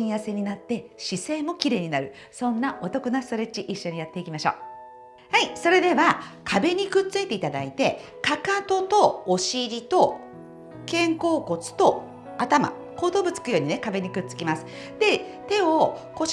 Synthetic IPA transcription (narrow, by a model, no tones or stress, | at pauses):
ĩɰ̃jase̞ɲ̟inat̪ːe̞ɕisẽ̞ːmo̞kʲiɾe̞ːɲ̟inaɾɯ̟ | sõ̞nːaʔot̪o̞kɯ̟nast̪o̞ɾet͡ɕiʔiɕːo̞ɲ̟ijat̪ːe̞ikʲimaɕo̞ː | haiso̞ɾe̞d̪e̞βakʰabe̞ɲ̟ikɯ̟t͡sɨit̪e̞it̪ad̪ait̪e̞ | kakat̪o̞t̪o̞ːɕiɾʲit̪o̞ | kẽ̞ŋko̞ːko̞t͡sɨ̥t̪o̞ | at̪ama̰ | ko̞ːd̪oːbɯ̟t͡sɨ̥kɯ̟jo̞ːɲ̟ine̞kabe̞ɲ̟ikɯ̟t͡sɨ̥kʲimasɨ̥ | d̪e̞t̪e̞oko̞